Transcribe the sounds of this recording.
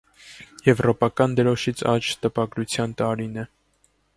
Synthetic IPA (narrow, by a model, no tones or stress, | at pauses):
jɛvrɔpɑkɑnd̪əɾɔʃit͡sʰɑt͡ʃʰt̪əpɑɡɾut͡sʰjɑnt̪ɑɾinɛ